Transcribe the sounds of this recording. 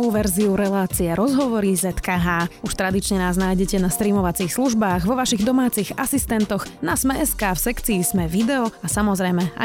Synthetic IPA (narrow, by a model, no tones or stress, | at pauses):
uːʋɛɾziuɾɛlaːt͡siɛɾɔzɦɔʋɔɾizɛt̪kaɦaːuʃt̪ɾad̪it͡ʃɲɛnaːznaːjɟɛcɛnast̪ɾiːmɔʋat͡siːxsluʒbaːɣʋɔʋaʃiɣd̪ɔmaːt͡siɣasist̪ɛnt̪ɔɣnasmɛɛskaːfsɛkt͡siːzmɛʋid̪ɛɔasamɔzɾɛjmɛa̰